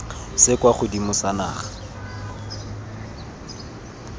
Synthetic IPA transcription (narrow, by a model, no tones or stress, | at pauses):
sɪkwaχʊdimʊsana̰ːχḁ